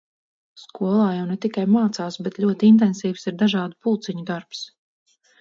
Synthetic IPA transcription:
skuɔlˠaːjawnet̪ikajmaːt̪saːsbɛt̪ʎʲuɔt̪int̪̬ɛnsiːfsiɾd̪aʒɑːd̪upulˠt̪siɲud̪aɾps

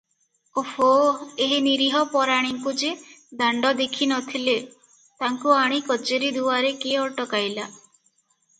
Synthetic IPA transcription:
ofoeɦiniɾiɦɔpɔɾaɽ̃iŋkud͡ʒed̪aɳɖɔd̪ekʰinɔt̪ʰile | t̪aŋkuaɽ̃ikɔt͡ʃeɾid̪uaɾekeɔʈɔkajla

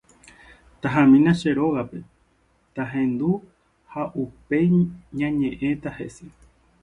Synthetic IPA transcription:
t̪aɦãmĩnãʃe̞ɾo̞ɣape̞ | t̪aɦẽ̞nd̪u | haʔupe̞jɲãɲẽ̞ʔẽ̞t̪ahe̞̰se

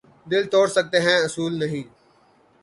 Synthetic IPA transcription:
d̪ɪlt̪oːɽsək̚t̪eːɦɛ̃ːʊsuːlnəɦĩː

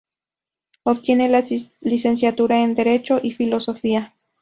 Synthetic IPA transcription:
op̚t̪jenelalisens̬jat̪uɾaend̪eɾet͡ʃoʔifilosofia

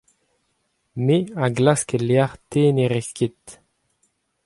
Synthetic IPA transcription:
meaɡlaskeleaʁt̪eːneʁeskʲit̪

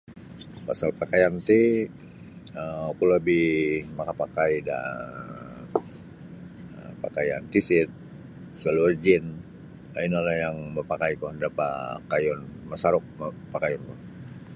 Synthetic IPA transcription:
pasalpakajant̪i | əkuləbihmakapakaida̰ | əpakajant̪isɪt̪̚ | saluərd͡ʒɪn | ainalajaŋməpakaikɔhdapa̰kajɔnmasaɾʊk̚mpakajɔnkɔ

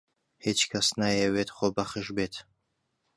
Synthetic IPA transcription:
het͡ʃʰkʰɐsnajɛwetʰχʷobɐχəʒbetʰ

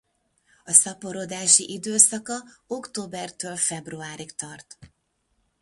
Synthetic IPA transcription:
ɒsɒpo̞ɾod̪aːʃiʔid̪øːsɒkɒo̞kt̪oːbɛrt̪øːlfɛbruaːɾikt̪ɒrt̪

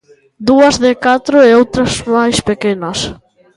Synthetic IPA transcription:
d̪uɐzðɪkat̪ɾʊeowt̪ɾɐzmajspekenɐs

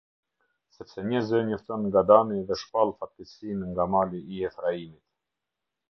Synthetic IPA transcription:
sɛpsɛɲəzɛɲɔft̪ɔnŋɡad̪aniðɛʃpalˠfat̪isinŋɡamaliʔːɛfɾaimit̪

